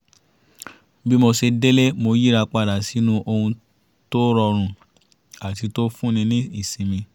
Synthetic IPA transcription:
bi˦mo˧ʃe˧de˦le˦mo˧ji˦ɾa˧k͡pa˦˨da˨si˨˦nũ˦ʔo˧hũ˧ | to˦ɾɔ˧ɾ̃ũ˦˨ | a˨ti˨˧to˦fũ˦nĩ˧nĩ˦i˦˨sĩ˨˧mĩ˧

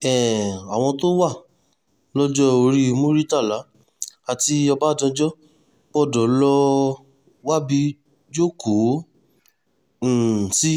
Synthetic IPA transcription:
ɛ˨a˨w̃ɔ̃˧to˦wa˦˨ | lɔ˦d͡ʒɔ˦o˧ɾi˦˧mũ˦ɾi˦ta˦˨la˨˦ | a˨ti˧ɔ˧ba˦˨dɔ̃˧d͡ʒɔ˦ | bɔ˦˨dɔ˨˦lɔ˦ | wa˦bi˧ | d͡ʒo˦ko˨˦˨ | si˦

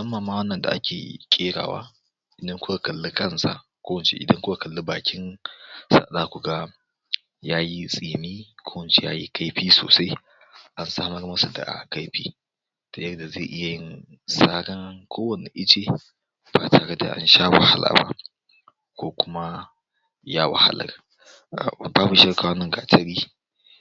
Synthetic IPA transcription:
sɐ˦mːɐ˨mːaː˦wɐ˦nːɐ˨nda̰˨ʔa˦kʲḛː˨kʲʼeː˦ɽa̰ː˨wa̰ː˦ | ʔɪ˨dɐ˦ŋkʷʊ˦ka˨kɐ˨lːi˦kʼɐ˦nsa̰˦kʷoː˦wɐ˨nt͡ʃḛ˦ʔɪ̰˨dɐ˦ŋkʷʊ˦ka˨kɐ˨lːu˦baː˨kʲɪ˦nsa̰˦ɗaː˦kʷu˨ɡa˦ | jaː˦ji˦sʼiː˨miː˦kʷʰoː˦wɐ˨nt͡ʃe˨ja̰ː˦ji˦ka˦jɸiː˦so̰ː˨sa˦j | ʔa˦nsaː˦mɐ˦rmɐ˦su˨da̰˨ʔa̰˨ka˦jɸiː˦ | to˨jɐ˦rda˨ze˦˨ʔɪ˦ja˨jɪ˦n | saː˦ɡɐ˦ŋkʷʰoː˦wɐ˨ne˨ʔɪ˦t͡ʃe˨ | b̥a˨tʰa˨˦kɐ˦da̰˨ʔa̰˦nʃaː˦wɐ̰˨ha˦la̰ː˨ba̰˦ | kʷoː˦kʷʊ˦ma˦ | jaː˦wa̰˨ha̰˦lɐ̰˨r | a˨baː˦bu˨ʃɐ˦rkaː˨wɐ˦nːɐ˨ŋɡa˨tɐ˦ɽiː˦

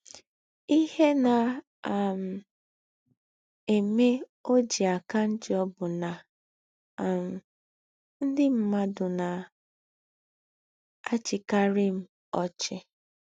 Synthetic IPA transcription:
i˦he˦na˨ | m̩˨ | e˨me˦o˦d͡ʒi˨a˨ka˦n̩˦d͡ʒɪ˦ɔ˦bʊ˨na˨ | m̩˨ | n̩˦dɪ˦m̩˦ma˦dʊ˨na˨ | a˦t͡ʃɪ˨ka˦ɾɪ˦m̩˦ | ɔ˨t͡ʃɪ˨

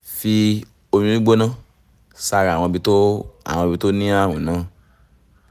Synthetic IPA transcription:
fi˧ | o˧mĩ˧˦ĩ˦ɡ͡bo˦nã˦ | sa˧ɾa˨w̃ɔ̃˧bi˧to˦a̰˨w̃ɔ̃˧bi˧to˦nĩ˦a˦˨wĩ˨nã˨˦

